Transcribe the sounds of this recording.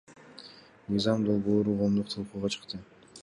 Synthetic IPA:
mɯjzɑmd̪olˠboːɾuqʰo̞ːmd̪uqt̪ʰɑlˠquːʁɑt͡ʃʰɯ̥qt̪ɯ

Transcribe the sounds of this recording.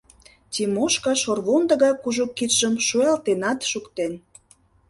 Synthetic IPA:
t̪ʲimoʃkɑʃorβond̪ə̆ɣɑjkuʒukːit̪ʒəmʃuelt̪enɑt̪ʃukt̪en

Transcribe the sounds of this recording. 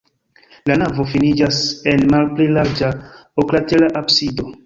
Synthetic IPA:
lanavo̞finid͡ʒase̞nmalplilaɾd͡ʒaoklatelaʔabsido̞

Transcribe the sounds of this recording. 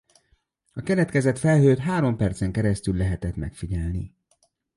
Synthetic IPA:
ɒkɛlɛt̪kɛzɛt̪fɛlɦøːt̪ɦaːɾo̞mpɛrt̪sɛŋkɛɾɛst̪ylːɛɦɛt̪ɛt̪mɛkfiɟɛlni

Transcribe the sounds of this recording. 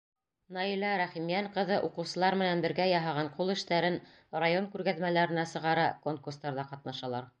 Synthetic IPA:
nɑilæɾæχimjæɴqɤ̆ðɤʔuqɤ̆wsɤ̆lˠɑɾmɘ̆nænbɘ̆ɾɡæjɑɦɑʁɑɴqulˠɘ̆ʃt̪æɾɘn | rajoŋkʉɾɡæðmælæɾɘ̆næsɤ̆ʁɑɾɑkoŋkurst̪ɑɾðɑqɑt̪̚nɑʃɑlˠɑɾ

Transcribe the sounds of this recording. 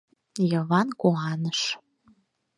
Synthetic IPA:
jɤ̆βɑnkoɑnəʃ

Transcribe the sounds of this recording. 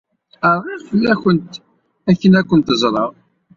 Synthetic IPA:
əɾˤʁiʁfəlːæçənt̪ | æçːənækʷːənt̪əzˤɾˤɑʁ

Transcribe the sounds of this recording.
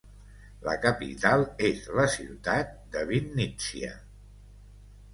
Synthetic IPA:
lə̰kəpḭt̪alˠezləsiwt̪at̪̚d̪əβinːisiə̰

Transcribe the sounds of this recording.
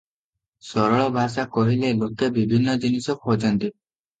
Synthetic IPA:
sɔɾɔɭɔbʱasakɔɦilelokebibʱinːɔd͡ʒinisɔkod͡ʒɔnt̪i

